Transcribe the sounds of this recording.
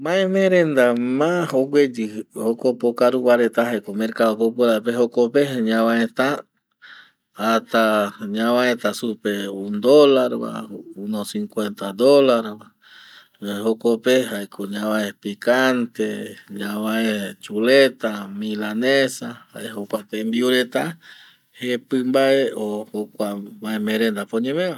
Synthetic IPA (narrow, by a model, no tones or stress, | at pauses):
mãemẽɾend̪amahoɡwed͡ʒihokopokaɾuβaɾet̪aɦajkomẽɾkaðokopuɾapeɦokopeɦɲãβaẽt̪a | t̪aɲãβãẽt̪asupeund̪olaɾβa̰unosiŋkwent̪ad̪olaɾβa | eɦokopeɦaekʰoɲãβãepikant̪eɲãβaet͡ʃulet̪amĩlanesaha̰ʔehokʷat̪embiuɾet̪a | hepɨmbaʔeohokʷabaẽmẽɾend̪apoɲẽmẽβa